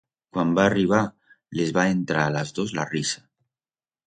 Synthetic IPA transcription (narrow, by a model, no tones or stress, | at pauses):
kwambaːriβ̞a | lezβaent̪ɾaːlazðozla̰risḁ